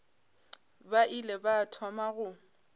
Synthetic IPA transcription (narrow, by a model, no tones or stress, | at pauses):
baʔilɛbatʰɔmaɣʊ